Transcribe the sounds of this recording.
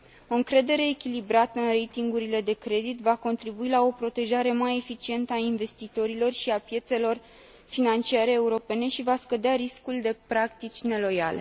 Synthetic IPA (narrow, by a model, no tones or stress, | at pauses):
o̞ɨŋkɾe̞d̪e̞ɾe̞ːkʲilibɾat̪əɨnre̞jt̪iŋɡuɾile̞d̪e̞kɾe̞d̪it̪vako̞nt̪ɾibuilao̞pɾo̞t̪e̞ʒaɾe̞maje̞fit͡ʃie̞nt̪əainve̞st̪it̪o̞ɾilo̞rʃiapje̞t̪se̞lo̞r | finant͡ʃiaɾe̞ːuɾo̞pe̞ne̞ʃivaskəd̪eaɾiskuld̪e̞pɾakt̪it͡ʃʲne̞lo̞jale̞̰